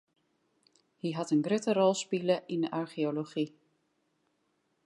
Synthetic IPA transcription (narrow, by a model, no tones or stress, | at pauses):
hiɦɑtənɡrøtərɔlˠspiləʔindəʔaɹxioloxi